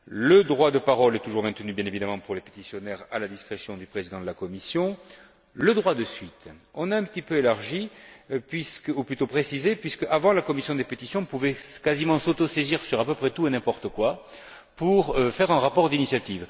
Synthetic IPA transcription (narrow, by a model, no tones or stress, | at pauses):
ləd̪ʁwad̪əpaʁɔlɛt̪uʒuʁmɛ̃t̪ənybjɛ̃nevid̪amɑ̃puʁlepe̥t̪isjɔnɛʁalad̪iskχesjɔ̃d̪ypχezid̪ɑ̃d̪əlakɔmisjɔ̃ | ləd̪ʁwad̪əsɥit̪ɔ̃naɛ̃pət̪ipøelaʁʒipɥiskuplyt̪opχesizepɥiskəʔavɑ̃lakɔmisjɔ̃d̪epet̪isjɔ̃puvɛkazimɑ̃sot̪ɔseziʁsyʁapøpχɛt̪uenɛ̃pɔʁt̪əkwa | puʁøfɛʁɛ̃ʁapɔʁd̪inisjat̪iv